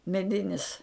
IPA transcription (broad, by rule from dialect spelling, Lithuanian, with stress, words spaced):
mʲɛˈdʲɪnʲɪs